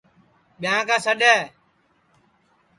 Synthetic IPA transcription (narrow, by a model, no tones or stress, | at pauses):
ɓɪjãːkaːsəɗɛː